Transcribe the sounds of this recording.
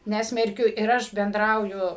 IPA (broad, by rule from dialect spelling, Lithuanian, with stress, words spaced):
ˈnʲæːsʲmʲɛrʲkʲʊ ɪr ˈɐʃ bʲɛnˈdrɐʊjʊ